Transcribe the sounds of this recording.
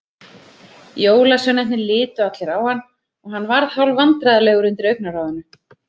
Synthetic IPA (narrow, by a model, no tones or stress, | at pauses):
joːwlasɛnɛh̪nɪlɪːt̪ʏat̪lɛɾawhanː | ɔɣɦanːvaɾðhawlvant̪ɾaðalɛːɣʏɾʏnt̪ɪɾœɥk̚naraːwðʏnʏ